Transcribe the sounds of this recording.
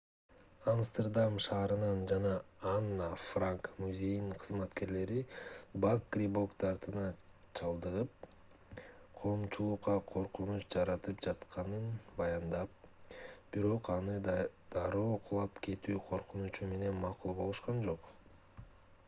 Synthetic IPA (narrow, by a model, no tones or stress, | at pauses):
amst̪erd̪amʃɑːɾɯnɯnd͡ʒɑnɑːnːafraŋkmuzʲe̞jniɴqʰɯzmɑt̪ke̞ɾle̞ɾibakːrʲibokt̪ɑɾt̪ɯnɑ | t͡ʃʰɑlˠd̪ɯʁɯp̚ | qʰo̞ːmt͡ʃulˠuqːɑqʰo̞ɾqunut͡ʃd͡ʒɑɾɑt̪ɯpd͡ʒɑt̪qʰɑnɯnbɑjɑnd̪ɑp̚b̥iɾo̞qɑnɯd̪̥ɑɾoːqʰulˠɑpkʰe̞t̪yːqʰo̞ɾqunut͡ʃume̞ne̞nmɑqulˠbo̞lˠuʃqɑnd͡ʒo̞q